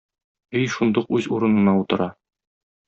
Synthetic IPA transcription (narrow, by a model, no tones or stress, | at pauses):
ɵjʃund̪uqʉzuɾɤ̆nɤ̆nɑut̪ɤ̆ɾɑ